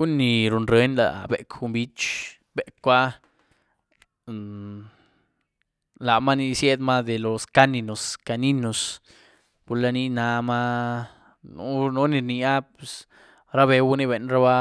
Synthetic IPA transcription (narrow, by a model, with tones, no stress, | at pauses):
ɡu˦ni˨ɾu˨nɾe˨˦nla̰˨bḛ˨ku˧mbi˦t͡ʃ | be˨kʷa˦ | la˨ma˦ni˧sje˦d̪ma˦d̪e˨lo˨ska˦ni˧no˨ska˧ni˦no˨s | pu˧ɾla˧ni˦na˧ma˦ | nṵ˦no˦ni˧ɾni˧a˦pe˨s | ɾa˦βe˧wu˦ni˦βe˨nɾa˦βa˦